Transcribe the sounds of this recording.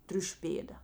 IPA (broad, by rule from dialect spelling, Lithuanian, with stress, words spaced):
ˈtʲrʲʊʃʲʊ ˈpʲeːdɐ